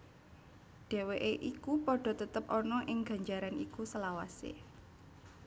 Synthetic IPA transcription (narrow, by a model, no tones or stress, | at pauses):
ɖ̥e̤weʔeʔikupɔɖ̥ɔ̤t̪ət̪əpʔɔnɔʔɪŋɡ̥ä̤ɲd͡ʒaɾanikusəlawasḛ